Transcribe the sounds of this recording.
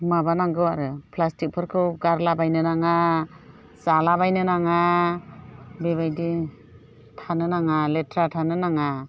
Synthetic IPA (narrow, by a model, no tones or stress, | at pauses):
mabanaŋɡɯwaɾɯpʰlastik̚pʰɯɾkʰɯwɡaɾlabajnɯnaŋa | zalabajnɯnaŋa | beβajdi | tʰanɯnaŋaletʰɾatʰanɯnaŋa